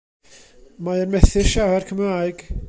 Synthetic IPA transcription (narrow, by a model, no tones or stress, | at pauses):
maənmɛθɪrʃawɛrkʰəmraːjɡ̥